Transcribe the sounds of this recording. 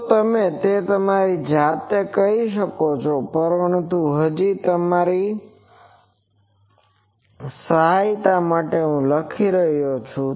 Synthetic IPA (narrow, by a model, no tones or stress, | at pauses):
t̪əmet̪et̪əmaɾid͡ʒat̪ekəɦiʃəkot͡ʃʰopəɾəɳt̪uɦəd͡ʒit̪əmaɾi | səɦajt̪amaʈeɦũləkʰiɾəɦjot͡ʃʰũ